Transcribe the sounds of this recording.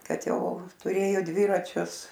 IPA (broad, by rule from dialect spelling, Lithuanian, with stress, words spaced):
ˈkɐt ˈjɛʊ tʊˈrʲeːjoː ˈdʲʋʲɪrɐt͡ʃʲʊs